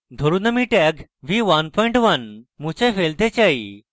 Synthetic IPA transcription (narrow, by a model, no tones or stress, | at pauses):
d̪ʱoɾunəmiʈɛɡʋiʋɐnpʰɔiɳʈʋɐnmũt͡ɕefʰelt̪et͡ɕai